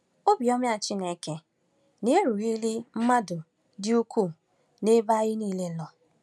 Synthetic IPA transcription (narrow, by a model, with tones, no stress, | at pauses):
o˦bi˨ɔ˦mja˨t͡ʃɪ˦ne˦ke˦ | ne˦e˦ɾu˨ɣi˦li˦m̩˦ma˦dʊ˨ | dɪ˦u˦kʰu˦˨ | ne˦ba˦ɣɪ˦niː˦˨le˦lɔ˨